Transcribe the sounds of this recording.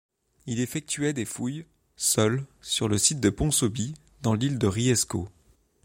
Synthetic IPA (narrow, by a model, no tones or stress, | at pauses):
ilefɛk̚t̪ɥɛd̪efuj | sœlsyʁləsit̪̚d̪əpɔ̃sobi | d̪ɑ̃lild̪əʁiɛsko